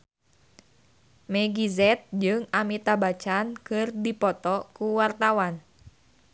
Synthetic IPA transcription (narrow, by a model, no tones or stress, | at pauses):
mɛɡizɛt̪̚d͡ʒɨŋamit̪abat͡ʃankɨrdipɔt̪ɔkuwart̪awan